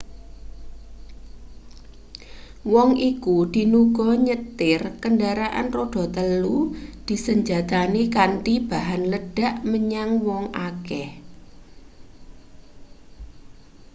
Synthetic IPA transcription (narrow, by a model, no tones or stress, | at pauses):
wɔŋʔikud̪̥i̤nuɡ̥ɔɲət̪ɪrkəndaɾaʔa̰nroɖ̥ɔ̤t̪əlud̪̥i̤səɲd͡ʒat̪anikanʈib̥a̤ɦanləɖ̥a̤ʔməɲaŋwɔŋʔakɛh